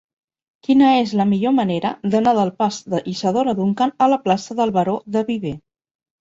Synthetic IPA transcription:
kinəezləmiʎoməneɾəðənaðəlˠpazd̪əʔisəðoɾəðuŋkanələplasəðəlˠβəɾoðəβiβe

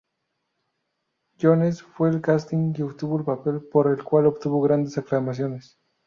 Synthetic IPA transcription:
jonesfwe̞ːlkast̪iŋkeopt̪uβoelpape̞lpo̞ɾelkwalopt̪uβo̞ɣɾand̪esaklamas̬jo̞nes

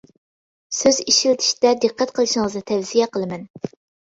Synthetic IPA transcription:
søziʃilt̪ʰi̥ʃd̪ɛd̪ɨqːɛt̪̚qʰəlˠɨʃɪŋəznɨt̪ʰɛvz̥ijɛqʰəlˠɨmɛn

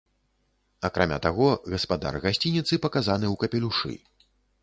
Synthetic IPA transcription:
ɐkɾamʲa̰t̪aɣɔɣɐspad̪a̰rɣasʲt͡sʲinʲit̪sɨpɐkazan̪ɨwkɐpʲɛlʲuʂɨ̰

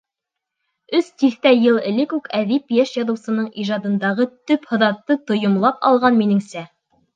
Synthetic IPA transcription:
ɵst̪iθt̪æjɤlˠɘ̆lɘkʉkæðipjæʃjɑðɤ̆wsɤ̆nɤɴʔiʒɑd̪ɤ̆nd̪ɑʁɤt̪ɵphɤ̆ðɑt̪ːɤt̪ŏjŏmlˠɑpɑ̰lˠʁɑnminɘŋsæ

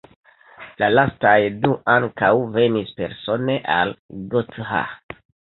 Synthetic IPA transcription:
lalastajduʔaŋkawve̞nispe̞̰ɾso̞ne̞ʔalɡotha̰

